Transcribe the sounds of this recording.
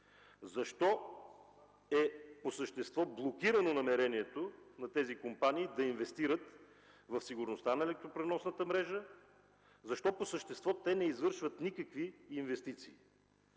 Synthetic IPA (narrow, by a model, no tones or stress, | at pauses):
zɐʃt̪ɔ | ɛposəʃt̪ɛst̪vɔblˠokiɾənonɐmɛɾɛniɛt̪onɐt̪ɛzikompaniːd̪ɐinvɛst̪iɾət̪ | vɐfsiɡʊɾnost̪anɐɛlɛk̚t̪ɾopɾɛnɔsnət̪əmɾɛʒə | zɐʃt̪ɔposəʃt̪ɛst̪vɔt̪ɛnɛizvɤɾʃvət̪nikɐkviːnvɛst̪it̪siː